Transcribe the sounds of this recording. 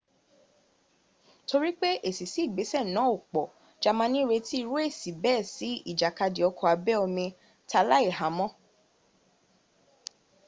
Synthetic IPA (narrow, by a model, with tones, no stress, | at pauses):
to˧ɾi˦k͡pe˦ʔe˦˨si˨si˨˦i˦˨ɡ͡be˨˦sɛ˦˨nã˨˦o˦˨k͡pɔ˨ | d͡ʒa˧mã˧˦nĩ˦ɾe˧ti˦i˧ɾu˦e˦˨si˨bɛː˦˨si˨˦i˦˨d͡ʒa˨ka˧di˨ɔ˨˧kɔ˨a˨˧bɛ˦ɔ˧mĩ˧ | ta˧la˦e˦˨ɦa˨˦mɔ̃˦